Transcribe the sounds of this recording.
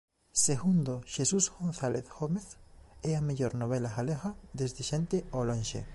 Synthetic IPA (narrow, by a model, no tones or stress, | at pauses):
seɣund̪oʃesusɣonθaleθɣomeθɛameʎoɾnoβ̞elaɣaleɣaðezðeʃent̪eolõnʃḛ